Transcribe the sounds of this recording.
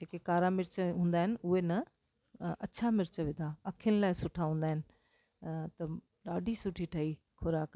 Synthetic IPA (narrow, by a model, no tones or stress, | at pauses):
eːkekaːɾamɪɾt͡ɕəɦũːnd̪aːɦɪnɪ̆ʔʊɦenɐ | ɐt͡ɕʰamɪɾt͡ɕəʋẽːnd̪aɐkʰijənɪlaːɪsʊʈʰaɦũːn̆d̪aːɦɪnɪ̆ | t̪ɐ | ɗaːɖʱisʊʈʰiʈʰɐi | kʰoɾaːk